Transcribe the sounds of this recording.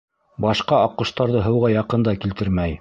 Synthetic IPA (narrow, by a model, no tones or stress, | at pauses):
bɑʃqɑɑqɤ̆ʃt̪ɑɾðɤɦɤ̆wʁɑjɑqɤnd̪ɑkilt̪ɘɾmæj